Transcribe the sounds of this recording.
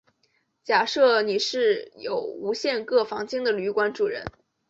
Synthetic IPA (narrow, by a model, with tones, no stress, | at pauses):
t͡ɕja˨˩ʂɤ˥˩ni˨˩ʂɻ̩˥˩jo˨˩ʊu˧˥ɕjɛ˥˧nkɤ˥˩fɑ˧˥ŋt͡ɕi˥ŋd̪ə˨ly˧˥kwa˥nʈ͡ʂu˨˩ɻə̰˧˥n